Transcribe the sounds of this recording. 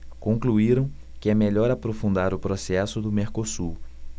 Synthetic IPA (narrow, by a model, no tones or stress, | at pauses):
kõŋkluiɾɐ̃w̃ | kɪɛmeʎɔɾapɾofũnd̪aɾʊpɾosɛsʊd̪ʊmeɾkosuɾ